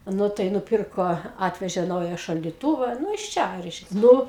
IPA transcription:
ˈnʊ tɐɪ nʊˈpʲɪrkoː ˈɑːtʲʋʲɛʒʲeː ˈnɐʊjɛ ʃɐlʲdʲɪˈtuːʋɐ ˈnʊ ɪʃ ˈt͡ʃʲɛ ˈrʲɛɪʃʲkʲɛ ˈnʊ

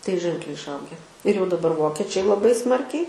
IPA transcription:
tɐɪ ˈʒʲɛŋklʲɛɪ ɪʃˈɐʊɡʲɛ ɪr jɛʊ dɐˈbɐr ˈʋoːkʲɛt͡ʃʲɛɪ lˠɐˈbɐɪ ˈsmɐrʲkʲɛɪ

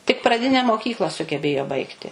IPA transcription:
tʲɪk prɐˈdʲɪnʲɛ moːˈkʲiːklˠɐ sʊɡʲɛˈbʲeːjoː ˈbɐɪktʲɪ

